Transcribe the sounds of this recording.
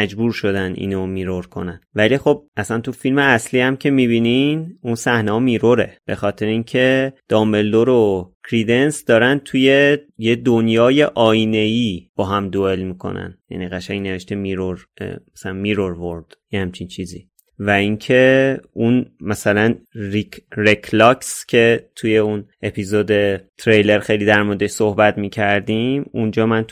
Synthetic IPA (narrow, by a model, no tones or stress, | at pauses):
mæd͡ʒbuːɾʃo̞d̪ænḭːnomiːɾoɾkʰo̞̰nænvælixo̞b̚ʔæsænt̪ʰufilmeæsliːhæmcʰe̞mibiːninunsæhnehɒːmiːɾoɾe̞̰b̥e̞xɒːt̪ʰe̞ɾeinkʰe̞d̪̥ɒːmbe̞ld̪oɾokʰɾid̪e̞nsd̪ɒːɾæn̚t̪ʰuje̞je̞d̪onjɒːje̞ʔɒːine̞ib̥ɒːɦæmd̪oe̞lmiːkʰo̞̰næ̰njæ̰niːɣæʃæŋɡne̞veʃt̪emiɾoɾ̰ | mæsælænmiɾoɾvoɾd̪̥jehæmt͡ʃʰint͡ʃʰiːzḭː | væiŋcʰe̞unmæsælænɾikrekʰlɒkscʰe̞t̪ʰuje̞unepʰizoːd̪e̞t̪ʰɾejle̞ɾxe̞jliːd̪æɾmoɾed̪eʃsohbæt̪miːcʰæɾd̪imund͡ʒɒːmæn